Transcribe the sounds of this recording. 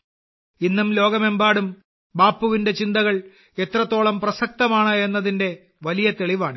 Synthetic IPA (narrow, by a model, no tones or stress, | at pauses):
inːumlo̞ːɡɐme̞mbaːɽum | baːpːuʋinde̞t͡ɕind̪ɐɣɐɭ | e̞t̪rɐt̪ːo̞ːɭɐmprɐsɐk̚t̪ɐmaːɳɐe̞nːɐðinde̞ | ʋɐlijɐt̪eɭiʋaːɳɨ